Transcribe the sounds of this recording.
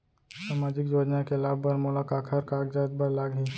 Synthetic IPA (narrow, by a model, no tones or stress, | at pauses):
saːmaːd͡ʒɪkjoːd͡ʒnakelaːbbəɾmolakaːkʰəɾkaːk̚d͡ʒaːt̪̚bəɾlaːɡɦi